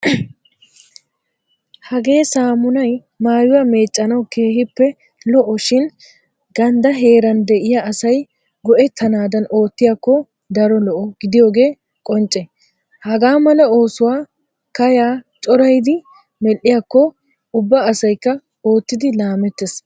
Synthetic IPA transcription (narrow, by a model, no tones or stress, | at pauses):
hɐɡe̞ːsaːmʊnɐj | maːjʊwame̞ːt͡ʃʼːɐnɐwke̞ːhɪpːɛ | lɔʔɔʃɪn | ɡɐnd̪ɐɦe̞ːɾɐnd̪ɛʔɪjaːsɐj | ɡɔʔɛt̪ʰːɐnaːd̪ɐno̞ːt̪ːɪjaːkːɔ | d̪ɐɾɔlɔʔɔɡɪd̪ɪjo̞ːɡe̞ː | kʼɔnt͡ʃʼːɛ | hɐɡaːmɐlɐo̞ːsʊwaː | kɐjaːt͡ʃʼɔɾɐjd̪ɪ | mɛlʔɪjakːɔ | ʊbːɐːsɐjkːɐ | oːt̪ːɪd̪ɪlaːmɛt̪ːes